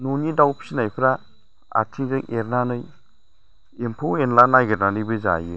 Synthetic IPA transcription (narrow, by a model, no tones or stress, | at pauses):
nonidawpʰsinajpʰɾa | a̰ɾtʰiɡɯŋʔeɾnanɯj | empʰoenlanajɡeɾnanɯjbɯza̰jɯ